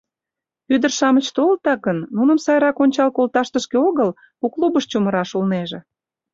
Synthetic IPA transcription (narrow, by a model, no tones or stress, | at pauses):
yd̪ərʃɑmət͡ɕt̪olt̪ɑkənːunəmsɑjɾɑkonʲt͡ɕɑlkolt̪ɑʃt̪əʃkeoɣəl | uklubəʃt͡ɕuməɾɑʃulneʒĕ